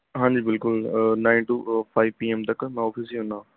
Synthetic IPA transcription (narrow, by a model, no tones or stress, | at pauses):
ɦãːɲd͡ʒiːbɪlkʊlnaːinʈuːpʰaːiʋpiːemt̪əkmɛ̃ɔːpʰisiɦõnãː